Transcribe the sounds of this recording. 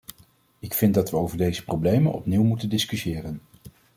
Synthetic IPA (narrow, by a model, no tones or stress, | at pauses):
ɪkfɪndɑtʋəowvəɹdejzəprowblejmə̰nɔ̰pniwmutəndɪskysɪːrən